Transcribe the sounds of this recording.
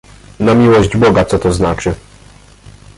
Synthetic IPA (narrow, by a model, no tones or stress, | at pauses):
namʲiwɔʑd͡ʑbɔɡat̪sɔt̪ɔznat͡ʂɘ